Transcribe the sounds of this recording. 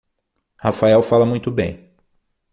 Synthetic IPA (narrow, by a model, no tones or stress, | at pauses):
hafaɛwfalɐmũj̃t̪ʊbḛ̃j̃